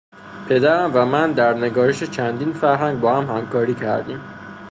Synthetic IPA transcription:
pʰe̞d̪æɾæmvæmænd̪æɾneɡɒːɾeʃet͡ʃʰænd̪iːnfæɾɦæŋɡ̚bɒːhæmhæmkʰɒːɾiːcʰæ̰ɾd̪ḭːm

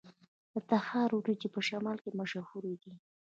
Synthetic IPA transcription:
d̪ət̪ahɑɾwɾid͡ʒipəʃamɑlkemaʃahuɾed̪i

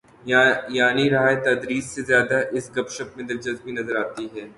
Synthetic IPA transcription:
jaːniɾɐɦaːet̪ɐd̪ɾiːssezjaːd̪aʔɪsɡɐbʃəpmẽd̪ɐɾd͡ʒɐzbʱinɐzəɾaːt̪iɦɛː

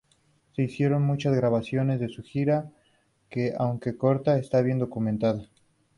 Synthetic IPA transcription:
se̞isje̞ɾo̞nmut͡ʃazɣɾaβasjo̞ne̞zðe̞suxiɾa | ke̞ʔawŋke̞ko̞ɾt̪aest̪aβje̞nd̪o̞kumẽnt̪aða

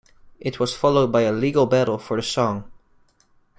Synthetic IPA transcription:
ʔɪt̚ʰwʌz̥fɑlˠoʊd̚baɪəliɡl̩ˠbæɾl̩ˠfə˞ðɨsɔ̃ŋ

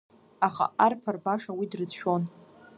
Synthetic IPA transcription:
aχa̰arpʰarbaʂawidrɨd͡zʃᶣo̞n

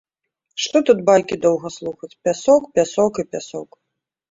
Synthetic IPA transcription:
ʂt̪ɔt̪ut̪̚balʲkʲid̪ɔwɣɐslˠuxɐt͡sʲpʲasɔkpʲasɔkipʲasɔk

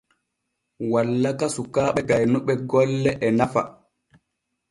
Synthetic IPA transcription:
walːakasukaɓɛɡajnuɓɛɡɔlːɛʔɛnafa̰

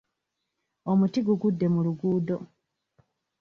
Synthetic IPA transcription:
omutiɡuɡudːe̞muluɡuːdo̞

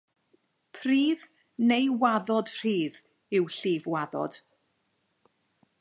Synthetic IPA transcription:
pʰriːð | nejwaðɔd̥r̥iːð | ɪwɬiːvwaðɔ̰d̥

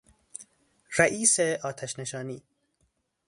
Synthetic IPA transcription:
ræʔiːseɒːt̪ʰæʃneʃɒːniː

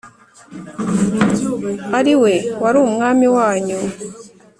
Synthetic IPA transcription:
aɾiwewaɾuːmŋaːmiwaːɲu

